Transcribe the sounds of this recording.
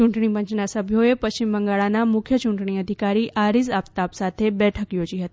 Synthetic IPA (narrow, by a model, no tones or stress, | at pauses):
t͡ʃuɳʈɳ̃ipə̃ɲt͡ʃnasəbʱjoepɐɕt͡ɕɪmbəŋɡaːɭanamʊkʰjət͡ʃuɳʈɳ̃iəd̪ʱikaːɾiʔaːɾizaːpt̪aːpsaːt̪ʰebɛːʈʰəkjoːd͡ʒiɦət̪i